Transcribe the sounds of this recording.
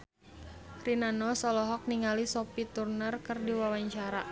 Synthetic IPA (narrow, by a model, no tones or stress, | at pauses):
rinanɔsɔlɔɦɔk̚niŋalisɔpit̪urnərkɨrdiwawaɲt͡ʃaɾa